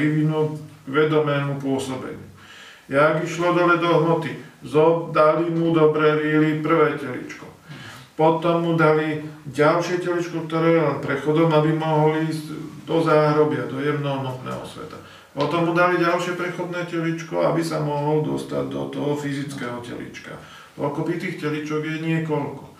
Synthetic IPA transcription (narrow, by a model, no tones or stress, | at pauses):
iʋinuːɡʋɛd̪ɔmɛːmupʊɔsɔbɛ̰ɲɪu | jaːɡiʃlɔd̪ɔlɛd̪ɔɦmɔt̪izɔd̪alimud̪ɔbɾɛːʋilipr̩ʋɛːcɛlḭt͡ʃkɔ̥ | pɔt̪ɔmːud̪aliɟalʃɪɛcɛlit͡ʃkɔk̚t̪ɔɾɛːjɛlɛnpɾɛxɔd̪ɔmabimɔɦɔliiːzd̪ɔzaːɦɾɔbɪad̪ɔjɛmnɔɦɔnɔt̪nɛ̰ːɦɔ̰sʋɛ̰t̪ḁ | pɔt̪ɔmːud̪aliɟalʃɪɛpɾɛxɔd̪nɛːcɛlit͡ʃkɔ̰a̰bisamɔɦɔld̪ɔst̪a̰ɟd̪ɔ̰t̪ɔɦɔfizit͡skɛːɦɔcɛ̰lḭt͡ʃka̰ | kɔ̰lkɔpɾit̪iːxcɛlit͡ʃɔɡjɛɲɪɛkɔlkɔ̥